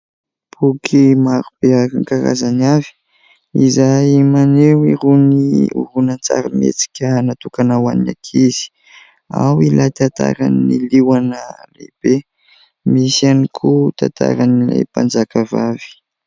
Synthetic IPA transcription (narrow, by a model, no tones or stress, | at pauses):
b̥ukʰimaɾub̥eakaŋkaɾa̰zanavi̥ | izajmanewiɾuniṵɾunant͡sa̰ɾamḛt͡si̥kʲənat̪ukanawanna̰kʰiz̥i̥ | a̰wilajt̪at̪a̰ɾa̰nniliwanəlḛb̥e | misianikʰut̪at̪ʰa̰ɾanilḛjpand͡zakavavi̥